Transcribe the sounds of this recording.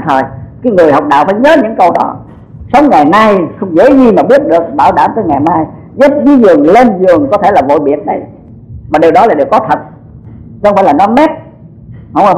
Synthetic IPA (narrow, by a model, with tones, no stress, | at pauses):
t̪ʰə˨˩jkaː˨˦jŋɨ˨˩əjɦa˨˩wk͡p̚ɗa̰ː˧˨wfaː˧˦jɲəː˨˦ɲɨ̰˧˥ŋkə˧wɗɔ˨˦ | sə˨˦wŋ͡mŋa˨˩jna˧jxə˧wŋ͡mzḛ˧˥zi˧maː˨˩ɓi˦˥ət̚ɗɨ˨˩ək̚ɓaː˧˩wɗaː˧˩mt̪əː˧jŋa˨˩jmaː˧j | zə˦˥p̚vi˨˦zɨ˨˩əŋle˧nzɨ˨˩əŋkɔ˨˦t̪ʰe˧˩laː˨˩vo̰˧˨jɓi˨ət̚na˨˩j | maː˨˩ɗe˨˩wɗɔ˨˦laː˨˩ɗe˨˩wkɔ˨˦t̪ʰə˨˩t̚ | xŋ͡mfaː˧˥jlaː˨˩nɔ˨˦mɛ˦˥t̚ | hə˧wŋ͡m